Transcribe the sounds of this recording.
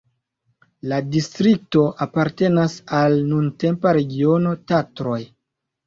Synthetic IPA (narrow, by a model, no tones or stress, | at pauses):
ladistɾik̚to̞ʔapaɾte̞nasalnunte̞mpaɾe̞ɡio̞no̞tatɾo̞j